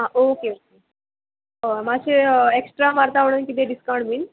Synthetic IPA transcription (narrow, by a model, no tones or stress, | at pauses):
ɦãʔokeok̚e | omaɕeeksʈɾamaɾt̪aʋəɽ̃uːnkit̪eɖiskaw̃ɳɖbin